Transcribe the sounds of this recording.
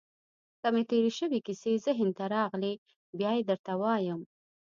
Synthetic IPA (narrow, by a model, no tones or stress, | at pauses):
kamet̪eɾeʃəwikisezəɦɪnt̪aɾɑɣle | bjɑjed̪əɾt̪awɑjəm